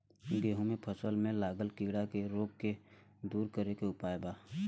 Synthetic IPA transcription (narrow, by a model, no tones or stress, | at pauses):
ɡeːɦũmẽpʰəsəlmẽlaːɡəlkiːɽakeɾoːɡ̚ke | d̪uːɾkəɾekeʊpaːjebaː